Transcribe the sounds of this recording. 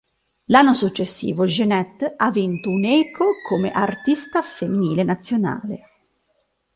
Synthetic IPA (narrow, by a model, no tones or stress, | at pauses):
lanːosut͡ʃːesːḭːvod͡ʒenɛt̪ːavint̪ounɛːkʰokʰomḛʔart̪ist̪afemːiniːlenat̪sːjona̰ːlḛ